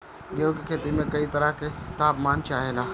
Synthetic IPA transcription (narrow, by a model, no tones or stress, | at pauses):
ɡeokekʰeːt̪imẽkɐit̪ɐɾəɦket̪aːpmaːnt͡ʃaːɦelaː